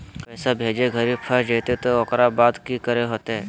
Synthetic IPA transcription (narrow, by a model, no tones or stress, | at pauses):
pɛːsabʱeːd͡ʒeɡʱəɾipʰəɾd͡ʒeːt̪et̪ookɾabaːd̪kikəɾeɦoːt̪eɦɛː